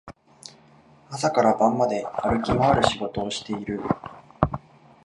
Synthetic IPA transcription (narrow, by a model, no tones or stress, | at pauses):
asakaɾabãmːad̪e̞aɾɯ̟kʲimoaɾɯ̟ɕiɡo̞t̪o̞ːɕi̥t̪e̞iɾɯ̟